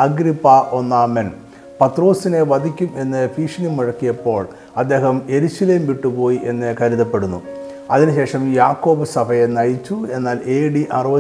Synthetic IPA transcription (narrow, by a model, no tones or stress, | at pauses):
ɐɡɾipːaʔo̞nːamen | pɐt̪ro̞ːsineʋɐd̪ʱikʲːume̞nːɨfiːʂɐnimiɻɐkːijɐpːo̞ːɭ | ɐd̪ːe̞ːɦɐme̞ɾuɕɐleːmʋiʈːupo̞ːjiʔe̞nːɨkɐɾiðɐpːe̞ɽunːṵ | ɐðinɨɕe̞ːʂɐmjaːkːo̞ːbɐsɐbʱɐjenɐjit͡ɕːue̞nːaːleːɽiʔɐrɨʋɐ